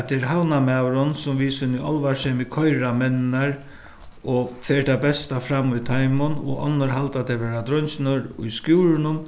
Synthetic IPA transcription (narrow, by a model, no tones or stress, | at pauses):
t̪ʰɛɾɦawnamawɾɔnsʊmʋiːsɪnːiʔɔlʋaʂɛːmɪkʰɔjɾamɛnɪnaɾ | ɔfeːʈ̪abɛst̪afɾamːʊjt̪ʰajmʊnɔ̰ʔɔ̰nːəɾɦalt̪at̪ʰɛɾʋeːɾad̪ɾœjnsɪnəɾʊ̰jskjuːɾɪnʊm